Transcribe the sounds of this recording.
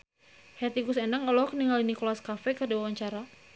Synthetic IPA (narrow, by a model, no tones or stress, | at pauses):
hɛt̪iŋɡusɛnaŋɔlɔk̚niŋalinikolaskafɛkərdiwawaɲt͡ʃaɾa